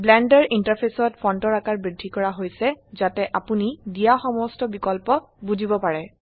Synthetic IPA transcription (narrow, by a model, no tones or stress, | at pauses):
blɛndɛɹintapʰesɔtpʰɔntɔɹakaɹbɹidʱːikɔɹaɦojsɛzatɛʔapunidijaxɔmɔstɔbikɔlpɔ | buzibɔpaɹɛ